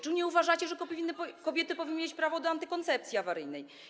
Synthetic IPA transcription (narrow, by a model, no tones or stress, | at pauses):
t͡ʂuɲɛuvaʐat͡ɕɛʐɛkɔvʲinːpkɔbʲjɛt̪ɘpɔvʲinːmʲjet͡ɕpɾavɔd̪ɔant̪ɘkɔnt̪sɛp̚t̪sʲiavaɾɘjnɛj